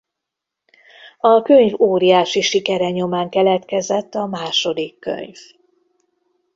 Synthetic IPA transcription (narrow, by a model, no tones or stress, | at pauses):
ɒkøɲvoːɾijaːʃiʃikɛɾɛɲomaːŋkɛlɛt̪kɛzɛt̪ːɒmaːʃo̞d̪ikːø̰ɲv